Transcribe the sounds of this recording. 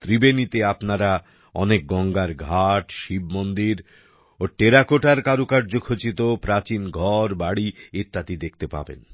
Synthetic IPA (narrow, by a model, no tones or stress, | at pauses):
t̪ɾibenit̪eapnaɾa | ɔnek̚ɡɔŋɡaɾɡʱaʈʃibmond̪iɾ | oʈeɾakoʈaɾkaɾukaɾd͡ʑokʰot͡ɕit̪opɾat͡ɕinɡʱɔɾbaɽieɾt̪ːat̪id̪ek̚ʰt̪epa̰bḛn